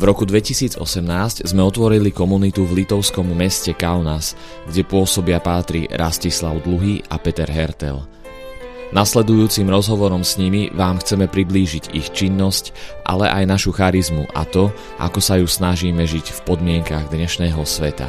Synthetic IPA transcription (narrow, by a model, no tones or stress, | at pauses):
vɾɔkud̪ʋɛcisiːd͡zɔ̰sɛmnaːsczmɛɔt̪ʋɔɾilikɔmunit̪uvlit̪ɔʊskɔmːɛscɛkalnas | ɡɟɛpʊɔsɔbɪapaːt̪ɾḭɾʔascislaʊd̪luɦiʔapɛt̪ɛɾɦɛɾt̪ɛ̰l | naslɛd̪ujuːt͡simɾɔzɦɔʋɔɾɔmsɲimiʋaːmxt͡sɛmɛpɾibliːʒiɟixt͡ʃinːɔscʔa̰lɛ̰ʔajnaʃuxaɾizmuʔa̰t̪ɔ | ʔa̰kɔsajusnaʒiːmɛʒicfpɔd̪mɪɛŋkaɣd̪ɲɛʃnɛːɦɔsʋɛt̪a̰